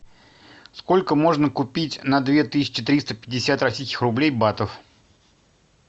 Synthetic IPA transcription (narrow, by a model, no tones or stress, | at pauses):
sko̞lʲkəmo̞ʐnəkʊpʲitʲnɐd̪vʲe̞t̪ɨsʲɪ̥t͡ɕɪt̪ɾʲist̪əpʲɪdʲːɪsʲat̪rɐsʲijskʲɪ̥xrʊblʲejbat̪əf